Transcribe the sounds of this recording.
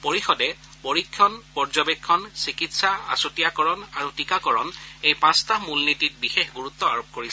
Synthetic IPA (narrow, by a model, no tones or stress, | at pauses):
poɹixɔdɛ | poɹikʰːɔnpɔɹzɔbekʰːɔnsikitsaa̰sutijakɔɹɔnaɹutikakɔɹɔnejpãstamulnitit̚bixexɡuɹut̪ːɔaɹop̚koɹisɛ